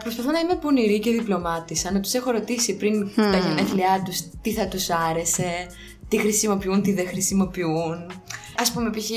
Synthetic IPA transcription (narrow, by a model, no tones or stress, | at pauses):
pɾo̞spɐθo̞nɐime̞poniɾice̞ðiplo̞mɐt̪isɐnɐt̪u̥se̞xo̞ɾo̞t̪isipɾint̪ɐʝemeθliɐt̪ust̪iθɐt̪usɐɾe̞se̞ | t̪ixɾisimo̞piunt̪iðexɾisimo̞piun | ɐspumepiçi